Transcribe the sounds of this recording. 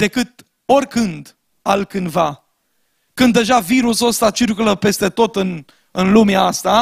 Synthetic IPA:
d̪e̞kɨt̪ | o̞rʲkɨnd̪ | alkɨnd̪va | kɨnd̪ːe̞ʒaviɾuso̞st̪at͡ʃirkuləpe̞st̪e̞t̪o̞t̪ɨn | ɨnlumeaast̪a

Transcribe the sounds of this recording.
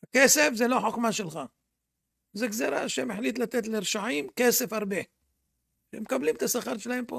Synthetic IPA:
hakese̞fzelo̞ħoxmaʃelχa | zeɡzeɾa̰ʃemeħlit̪lat̪et̪leɾʃaʕimkese̞faʁbe | ʃeemekablimet̪asaχaɾʃelahempo̰

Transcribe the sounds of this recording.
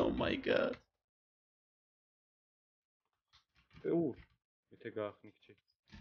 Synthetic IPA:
o̰ma̰jɡa̰ | pɛuɾ | mit̪ʰɛɡaːχnikʰt͡ʃʰi

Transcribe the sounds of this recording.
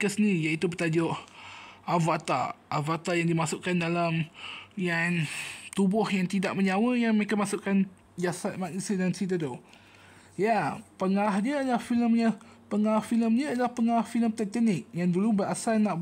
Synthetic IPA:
kəsənijaʔit̪ubət̪ad͡ʒʊʔ | ʔavat̪a̰ʔːvat̪ajaŋdimasʊʔkandalamjant̪ubʊhjaŋt̪idaʔməɲawəjaŋməekamasʊʔkan | d͡ʒasat̪̚maʔnisidansit̪ədo | japəŋaɾahdiəːdəlahfiləmɲə | pəŋaɾahfiləmɲədəlahpəŋaɾahfiləmt̪ɛk̚t̪ɛnɪk̚jaŋdulubəɾasalnaʔ

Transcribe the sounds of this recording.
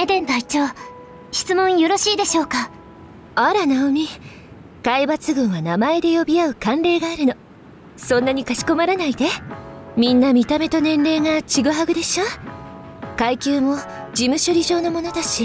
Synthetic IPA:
ed̪ẽ̞nt̪ait͡ɕo̞ː | ɕi̥t͡sɨmõ̞ɰ̃jo̞ɾo̞ɕiːd̪e̞ɕo̞ːka | aɾanaomʲi | kaibat͡sɨɡɯ̟̃ɰ̃βanamaed̪e̞jo̞bʲiaɯ̟kãnɾe̞ːɡaːɾɯ̟no̞ | sõ̞nːaɲ̟ikaɕi̥ko̞maɾanaid̪e̞mʲĩnːamʲit̪ame̞t̪o̞nẽ̞nɾe̞ːŋat͡ɕiɡɯ̟ɦaɡɯ̟d̪e̞ɕo | kaikʲɨːmo̞d͡ʑimɯ̟ɕo̞ɾʲiʑo̞ːno̞mo̞no̞t̪aɕi

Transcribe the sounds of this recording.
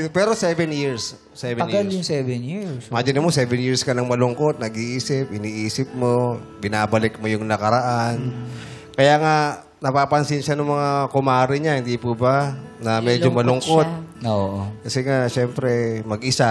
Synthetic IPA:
opɛːɾosɛvɛnjiɹs | sɛvɛɐɡaljʊŋsɛvɛnjimaːd͡ʒɪnɐmosɛvɛnjiɹskɐnɐŋmɐlʊŋko̞t̪̚nɐɡiːʔiːsɪp̚ɪniːʔiːsɪp̚mobɪnaːbɐlɪk̚mojʊŋnɐkɐɾɐʔan | kɐjaːŋa | nɐpapɐnsɪnʃanʊŋmɐŋakʊmaːɾɪɲahɪnd̪ipubanɐmɛd͡ʒomɐlʊŋkot̪̚oʔokɐsɛŋaʃɛmpɾɛmɐɡʔɪsa

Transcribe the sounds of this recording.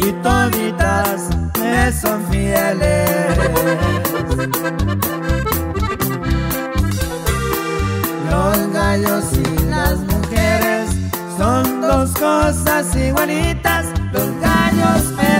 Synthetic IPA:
it̪oðit̪as | esonfjele | s | losɣaʎosilasmuxeɾesː | ond̪oskosasiwwenit̪aslosɣaʎose

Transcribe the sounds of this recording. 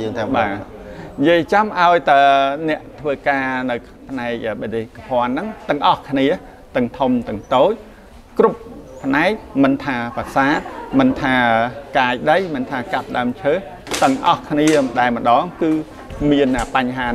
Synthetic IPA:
əːŋt̪aɓaː | jiəjt͡ɕamʔaɔjt̪anɛ̆əʔt̪ʰʋəːkaːnɨw | pʰnaɛk̚ʔəːɓeteːhkahŏənːɨŋt̪ɨ̆əŋʔɑhkʰniə | t̪ɨŋt̪ʰumt̪ɨ̆əŋt̪oːc̚ | kruppʰːnaɛk̚mɨnt̪ʰaːpasaːt̪̚mɨnt̪ʰaːəkaːjɗəjmɨnt̪ʰaːkap̚ɗaəmt͡ɕʰəː | t̪ɨ̆ŋʔɑhkʰniəɗaɛlmə̆ɗɑːŋkɨː | miənʔəːpaɲɦaːn

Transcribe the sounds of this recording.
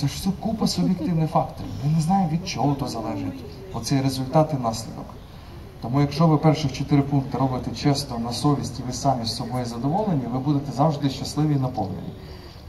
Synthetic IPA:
sɛʃsɛkupɐsʊbʲjekt̪ɪwnɪfɑkt̪ɔɾʲɪ̰wmɪneznɑjɪmʋʲid̪̚t͡ʃɔɦɔt̪ɔzɐlˠɛʒɪtʲ | ɔ̰t̪sɛjɾezʊlʲt̪ɑt̪ɪnɑsʲlʲḭd̪ɔ̰k | t̪ɔmujɐkʃt͡ʃɔʋɪpɛrʃɪxt͡ʃɔt̪ɪɾɪpunk̚t̪ɪɾɔbɪt̪ɛt͡ʃɛst̪ɔnɐsɔʋʲisʲtʲiʋɪsɑmʲisʲsɔbɔjizɐd̪ɔʋɔlˠenʲːiʋɪbud̪et̪ɛzɑwʒd̪ɪʃt͡ʃɐslˠɪʋʲinɐpɔwnḛnʲːḭ

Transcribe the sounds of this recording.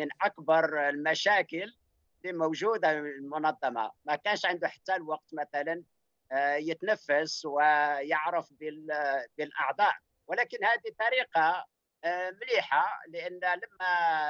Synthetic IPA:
mənʔɑkbɑɾˤlmæʃækəlː | imowʒud̪aəllmʊnɑd̪ˤːɑmɑ̰mækænʃʕənd̪uħḁt̪ːælwɑq̚t̪mæt̪ælən | jət̪nəfːəswəjəʕɾəfbəlbəlʔɑʕd̪ˤɑʔ | wəlækənhæd̪it̪ˤɑɾiqɑ | mliħaləʔənːləmːæ

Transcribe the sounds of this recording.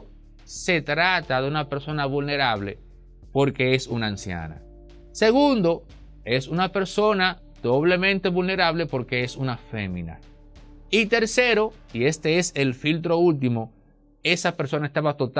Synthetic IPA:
se̞t̪ɾat̪aðe̞unape̞ɾso̞naβulne̞ɾaβle̞̰ | po̞ɾke̞esunaːnsja̰na̰ | se̞ɣund̪o̞ | e̞sunape̞ɾso̞na | d̪̥o̞β̞le̞mẽ̞nt̪eβulne̞ɾaβle̞po̞ɾke̞esunafe̞̰mĩna̰ | it̪e̞ɾse̞ɾo̞ie̞st̪e̞ese̞lfilt̪̬ɾo̞ult̪̬imo | e̞sape̞ɾso̞naest̪aβat̪o̞t̪

